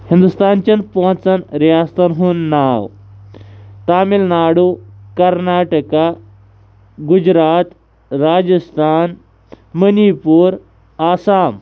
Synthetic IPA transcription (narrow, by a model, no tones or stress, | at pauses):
hĩnd̪ust̪ant͡ɕənpɔ̃t͡sənɾijast̪ənɦuːnːaw | t̪amilnaɽukəɾnaʈəka | ɡud͡ʑɾat̪ | ɾad͡ʑəst̪ʰan | mənipuːɾ | asam